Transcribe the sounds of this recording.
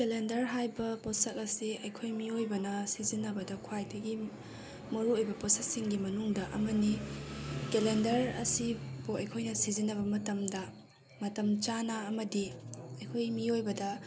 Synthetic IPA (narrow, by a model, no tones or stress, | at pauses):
kelendɐɾɦajbɐposɐk̚ɐsiɐjkʰojmiojbɐnɐsizinːɐbɐdɐkʰwajdɐɡi | mɐɾuojbɐposɐksiŋɡimɐnuŋdɐʔɐ̰mɐni | kelendɐɾɐ̰sibuɐjkʰojnɐsizinːɐβɐmɐtɐmdɐ | mɐtɐmt͡ʃanɐːmɐdiɐjkʰojmiojbɐdɐ